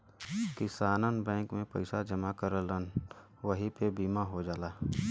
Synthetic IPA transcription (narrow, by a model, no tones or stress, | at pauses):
kɪsaːnənbɛ̃ːkmẽpɐ̰ɪsad͡ʒɐmakəɾələn | ʋəɦipebiːmaɦod͡ʒaːlaː